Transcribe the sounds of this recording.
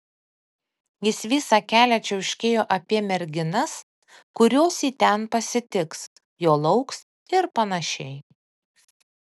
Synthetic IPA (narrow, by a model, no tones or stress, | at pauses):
jɪsʋʲiːsɑːkʲæːlʲɛt͡ʃʲɛʊʃʲkʲeːjoːʔɐpʲiɛmʲɛɾʲɡʲɪnɐs | kʊɾʲoːsiːt̪ʲɛnpɐsʲɪt̪ʲɪks | joːlˠɒʊks | ɪɾpɐnɐʃʲɛɪ